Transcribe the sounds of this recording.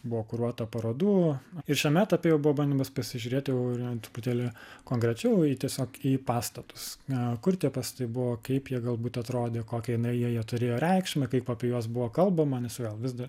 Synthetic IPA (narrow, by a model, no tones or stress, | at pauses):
bʊʋoːkʊɾuɔt̪ɐpɐɾoːd̪uːɪɾʃʲɛmʲæt̪ɐpʲejɛʊbʊʋɔːbɐnʲd̪ʲɪmɐspɐsʲɪʒʲʊɾʲeːt̪jɛʊt̪ʊpʊt̪ʲɛːlʲɪkoːŋkɾʲɛt͡ʃʲɛʊiːt̪ʲiɛsʲoːkiːpɑːst̪ɐt̪ʊ̥skʊrt̪ʲiɛpɐst̪ɐɪbʊʋoːkɐɪpjiɛɡɐlˠbuːt̪ɐt̪ɾoːd̪ʲeːkoːkʲɛjɪnɐɪjiɛjiɛt̪ʊɾʲeːjoːɾʲɛɪkʃʲmʲɛkɐɪpɐpʲɛjuɔsbʊʋoːkɐlˠbɐmɐnʲɛsɡʲɛːlˠʋʲɪzd̪ɐ